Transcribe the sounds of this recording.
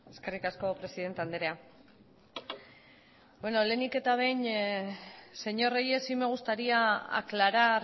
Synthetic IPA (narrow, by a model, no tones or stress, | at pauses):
e̞ske̞rikasko̞pɾe̞siðe̞nt̪eand̪eɾe̞a | bwe̞no̞le̞nike̞t̪aβ̞e̞jn | se̞ɲo̞rejesime̞ɣ̞ust̪aɾiaa̰klaɾar